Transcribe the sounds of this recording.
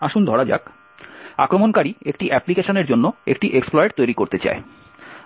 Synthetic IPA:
aʃund̪ʱɔɽad͡ʑa̰k̚ | akɾomonkaɾiekʈiʔɛplikeʃoneɾd͡ʑonːoḛkʈiʔeksplɔeʈt̪ojɾikoɾt̪et͡ɕa̰e

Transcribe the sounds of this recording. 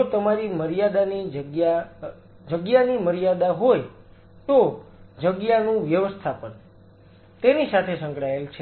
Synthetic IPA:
ot̪əmaɾiməɾijad̪anid͡ʒəɡja | d͡ʒəɡjaniməɾijad̪aɦoj | t̪od͡ʒəɡjanũʋjəʋəst̪ʰapən | t̪enisat̪ʰesə̃ŋkɽaelt͡ʃʰe

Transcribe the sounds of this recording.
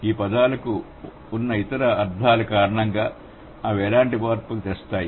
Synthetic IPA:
iːpɐd̪aːlɐkuː | nːɐit̪ɐɾɐːɾd̪ʱaːlukaːɾɐɳɐŋɡaː | ɐʋɛːlaːɳʈipaːɾpukut̪est̪aːji

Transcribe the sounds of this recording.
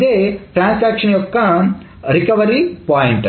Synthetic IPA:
d̪eːʈɾaːnsaːkʃɐnjokːɐ | ɾikɐʋɐɾipaːjiɳʈ

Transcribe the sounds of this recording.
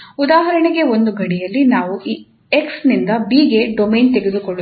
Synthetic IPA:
ud̪aːɦɐɾɐɳeɡe̞o̞nd̪uɡʱɐɽijɐlːinaːʋuʔiː | eksnind̪ɐbiːɡe̞ɖomejnt̪eɡe̞d̪ukoɭːu

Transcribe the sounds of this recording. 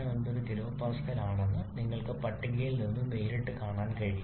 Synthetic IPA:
ɐonɖ̪oɾuɡiɾoːpaːskɐlaːɳenːɨniŋːɐɭkɨpɐʈːiɣɐjilninːɨmeːɾiʈːɨkaːɳaːnkɐɻiː

